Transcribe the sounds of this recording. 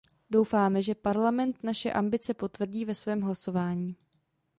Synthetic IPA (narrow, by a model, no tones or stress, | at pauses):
do̞wfaːmɛʒɛpaɾlamɛnt̪naʃɛʔambɪt͡sɛpo̞t̪vr̩ɟiːvɛsvɛːmɦlaso̞vaːɲiː